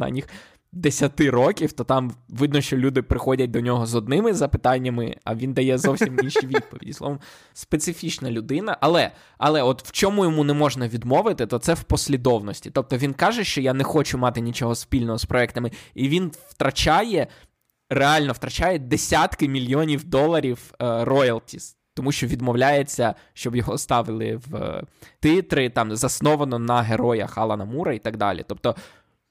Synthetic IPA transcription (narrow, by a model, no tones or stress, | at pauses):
ɑ̰nʲːix | d̪esʲɐt̪ɪɾɔkʲiwt̪ɔt̪ɑmʋɪd̪nɔʃt͡ʃɔlʲud̪ɪpɾɪxɔdʲɐt̚ʲd̪ɔnʲɔɦɔzɔd̪̚nɪmɪzɐpɪt̪ɑnʲːɐmɪ̰ɐ̰ʋʲind̪ɐjɛzɔwsʲiminʃiʋʲid̪̚pɔʋʲḭdʲislˠɔ̰ʋɔm | spet̪sɪfʲit͡ʃnɐlʲʊd̪ɪnɐʔɐlˠɛ | ɐ̰lˠɛɔt̪w̥t͡ʃɔmujɔmunɛmɔʒnɐʋʲid̪mɔʋɪt̪ɪt̪ɔt̪sɛwpɔsʲlʲid̪ɔwnɔsʲtʲi̥t̪ɔp̚t̪ɔʋʲinkɑʒɛʃt͡ʃɔjanɛxɔt͡ʃʊmɑt̪ɪnʲit͡ʃɔɦɔspʲilʲnɔɦɔspɾʔɔɛkt̪ɐmɪiʋʲinwt̪ɾɐt͡ʃajɛ | reɑlʲnɔwt̪ɾɐt͡ʃajɛd̪esʲat̪kɪmʲilʲjɔnʲiwd̪ɔlˠːɐɾʲiwrɔjɐlˠt̪ʲis | t̪ɔmuʃt͡ʃɔʋʲid̪mɔwlʲajet͡sʲːɐ | ʃt͡ʃɔbjɔɦɔst̪ɑʋɪlˠɪ̰ʋt̪ɪt̪ɾɪt̪ɑmzɐsnɔʋɐnɔnɐɦeɾɔjɐ̰xɑlˠɐnɐmuɾɐit̪ɐɡd̪ɑ̰lʲḭt̪ɔp̚t̪ɔ